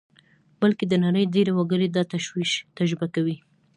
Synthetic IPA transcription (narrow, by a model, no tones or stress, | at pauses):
bəlked̪ənaɾəjdeɾewaɡəɾed̪ɑt̪aʃwiʃt̪aʒɾɪbakawi